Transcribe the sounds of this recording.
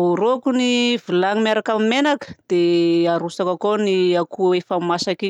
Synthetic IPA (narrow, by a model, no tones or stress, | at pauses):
uɾokunivilaŋimaɾakamimenakə̥d̪̥eaɾusakakoniakuefamasaki